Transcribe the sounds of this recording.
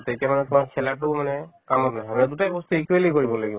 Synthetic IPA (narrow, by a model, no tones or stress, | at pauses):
tetɛmanɛtʊmaɹkʰɛlatʊmanɛkamɔtnaɦɛmanɛdutabɔstuikwelikoɹibɔlaɡibɔ